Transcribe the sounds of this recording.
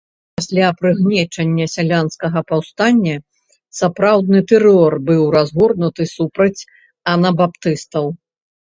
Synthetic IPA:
pasʲlʲapɾɨɣnʲɛt͡ʂɐnʲːɐsʲalʲanskɐɣɐpawst̪anʲːɐ | sapɾawd̪nɨt̪ɛɾɔrbɨwɾazɣɔrnut̪ɨsupɾɐt͡sʲ | ɐnɐbapt̪ɨst̪ɐw

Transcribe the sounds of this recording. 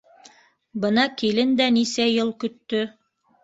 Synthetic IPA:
bɤ̆nɑkilɘnd̪ænisæjɤlˠkɵ̆t̪ːɵ

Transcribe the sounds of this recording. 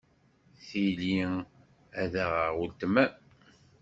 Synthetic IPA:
θili | æðəʁəʁult̪mæ

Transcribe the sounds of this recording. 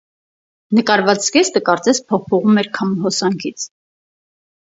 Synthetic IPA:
nəkɑɾvɑt͡sɡɛst̪əkɑɾt͡sɛspʰɔχpʰɔʁumɛɾkʰɑmɦɔsɑŋkʰit͡sʰ

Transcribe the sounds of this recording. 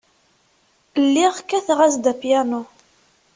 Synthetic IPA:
lːiʁkːæθʁæsd̪æpjæno

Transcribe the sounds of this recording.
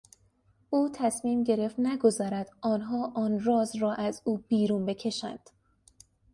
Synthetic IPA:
uːt̪ʰæsmiːmɟe̞ɾe̞ft̪næɡo̞zɒːɾæd̪̥ʔɒːnɦɒːʔɒːnrɒːzrɒːʔæzuːb̥iːɾuːnbe̞cʰe̞ʃæ̰nd̪̥

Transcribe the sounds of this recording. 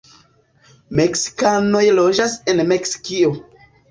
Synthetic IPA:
meksi̥kano̞jlo̞d͡ʒase̞nme̞ksi̥kio

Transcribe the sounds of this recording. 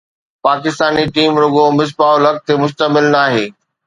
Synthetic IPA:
paːkɪst̪aːniʈiːmɾʊɡomɪs̬paːʊlɐk̚t̪ʰemʊʃt̪əmɪlnaːɦeː

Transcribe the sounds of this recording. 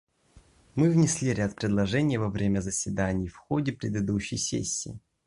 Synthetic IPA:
mɨvnʲɪsʲlʲiɾʲat̪̚pɾʲɪd̪lˠɐʐɛnʲɪjəvɐvɾʲemʲəzəsʲvʲɪd̪anʲɪjfxodʲɪpɾʲɪd̪ɨd̪uɕːɪ̰jsʲḛsʲːɪ̰ː

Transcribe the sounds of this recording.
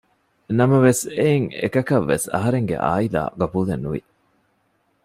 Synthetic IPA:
nɐmɐʋeseiŋḛkɐkɐʋːḛsɐ̰ɦɐɾeŋɡḛʔa̰ːila̰ːɡɐbuːlenːuʋḭ

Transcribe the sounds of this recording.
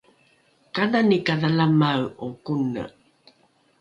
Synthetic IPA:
kaðanikaðalamawukunə̰

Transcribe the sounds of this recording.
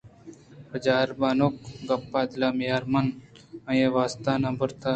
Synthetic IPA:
bəd͡ʒaːɾbaːnoːk̚ɡɐpːaːd̪laːmijaːɾmɐn | ɐ̃jeʋaːst̪aːnabəɾt̪ʰa

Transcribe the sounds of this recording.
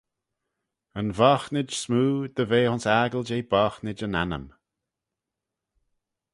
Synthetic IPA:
ənvɔːxnɪd͡ʒsmuːd̪̥əveːhʊnsaːɡəld͡ʒejbɔːxnɪd͡ʒəna̰nə̰m

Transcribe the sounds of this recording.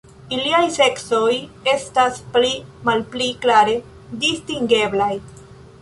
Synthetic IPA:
iliajse̞kso̞je̞stasplimalpliklaɾe̞ | distiŋɡe̞blaj

